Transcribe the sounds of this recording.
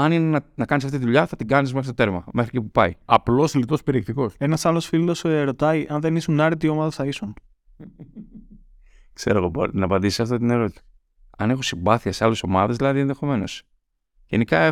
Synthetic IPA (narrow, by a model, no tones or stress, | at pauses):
ɐninenɐnɐkɐnisɐft̪it̪iðuʎɐθɐt̪iɡɐnismeɾit̪o̞t̪e̞ɾmɐme̞xɾicepupɐiɐplo̞slit̪o̞speɾiek̚t̪iko̞se̞nɐsɐlo̞sfilo̞seɾo̞t̪ɐiʔɐnðe̞nisunɐɾit̪io̞mɐðɐθɐisun | kse̞ɾoɣobo̰nɐpɐnd̪isi̥sɐft̪ot̪̬ineɾo̞t̪it̪e̥ | ɐne̞xo̞simbɐθiɐseale̞so̞mɐ̰ðe̞zðilɐðienðexo̞me̞no̞s | ʝe̞nikɐe